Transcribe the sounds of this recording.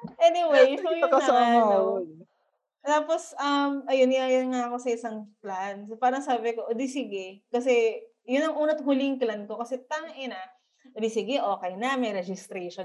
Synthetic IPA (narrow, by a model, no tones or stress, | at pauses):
ʔɛːnɪwejsojʊoɐn | t̪aːposɐmʔɐjonjajɐnŋaɐko̞sɐɪsɐŋplanspaːɾɐŋsaːbɪko̞ʔod̪isɪɡɛkɐsɛ | jʊnɐŋʔuːnɐt̪huliŋklɐn̚ko̞kɐsɛt̪ɐŋʔɪnɐ | ʔod̪isɪɡɛʔo̞ːkɛjnɐmɐjɾɛd͡ʒɪst̪ɾɛjʃon